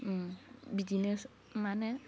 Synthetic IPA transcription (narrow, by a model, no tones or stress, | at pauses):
bidines | manɛ